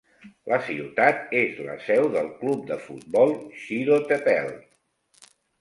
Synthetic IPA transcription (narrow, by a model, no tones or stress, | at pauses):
lʔəsiwt̪at̪ezlə̰sɛwðəlˠklup̚d̪əfṵt̪̚bɔlˠʃiɾot̪əpɛlˠ